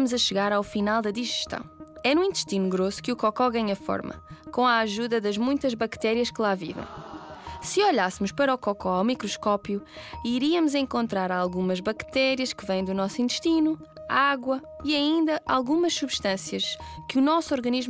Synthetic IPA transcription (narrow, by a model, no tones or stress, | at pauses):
muzɐʃɨɣaɾawfinalˠd̪ɐðiʒɨʃt̪ɐ̰̃w̃ɛnũĩnt̪ʃt̪inuɣɾosu̥kɨukɔkɔɣaɲɐfɔ̰ɾmɐ̰kõaaʒuðɐðɐʒmũj̃t̪ɐʒβɐkt̪ɛɾiɐʃkɨlˠavḭvɐ̰̃j̃sɨɔʎasɨmuʃpɐɾɔkɔkɔawmikɾɔʃkɔpjuiɾiɐmuzẽŋkõnt̪ɾaɾalˠɣumɐʒβɐkt̪ɛɾiɐʃkɨvɐ̃j̪̃d̪unɔsĩnt̪ɨ̥ʃt̪inu | aɣwɐ | iɐĩnd̪ɐʔalˠɣumɐʃsuβʃt̪ɐ̃sjɐʃkɨunɔsɔɾɣɐniʒm